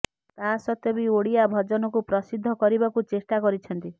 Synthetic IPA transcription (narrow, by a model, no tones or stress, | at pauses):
t̪asɔt̪ɔbioɽiabʱɔd͡ʒɔnɔkupɾɔsid̪ʱːɔkɔɾibakut͡ʃesʈakɔɾit͡ʃʰɔnt̪i